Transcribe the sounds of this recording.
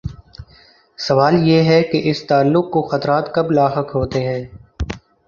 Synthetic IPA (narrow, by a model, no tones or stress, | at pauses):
sɐʋaːljeːɦɛkeʔɪst̪aːlːʊkːoxɐt̪ɾaːt̪kɐblaːɦəkɦoːt̪eɦɛ̃ː